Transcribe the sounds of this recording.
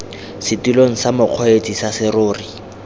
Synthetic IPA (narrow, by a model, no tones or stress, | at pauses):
sɪtiloŋ̩samʊq͡χʰɔet͡sʼisasɪroːri